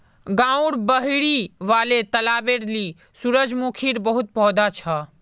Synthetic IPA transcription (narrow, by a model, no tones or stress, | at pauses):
ɡãːuɽbəɦiɽiʋaːlet̪əlaːbeɾli | suɾəd͡ʒmukʰiɾbəɦut̪̚pɔɦd̪at͡ʃʰa